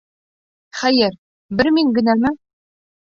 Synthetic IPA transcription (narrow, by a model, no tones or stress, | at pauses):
χæjɘɾ | bɘɾmiŋɡɘ̆nælmɘ